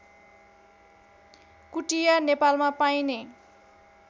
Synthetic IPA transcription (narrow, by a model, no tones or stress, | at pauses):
kuʈijanepalmapajne